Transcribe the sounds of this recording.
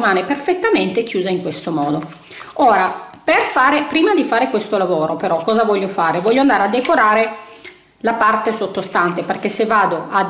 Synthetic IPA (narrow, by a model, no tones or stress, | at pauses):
maːneperfet̪ːament̪ek̟juːzaiŋkwest̪omɔːd̪o | oːɾa | perfaːɾepɾiːmad̪ifaːɾekwest̪olavoːɾopeɾɔkːɔːzavɔʎːofaːɾevɔʎːoand̪aːɾead̪ːekoɾaːɾe | lapart̪esot̪ːost̪ant̪eperkesːevːaːd̪oʔa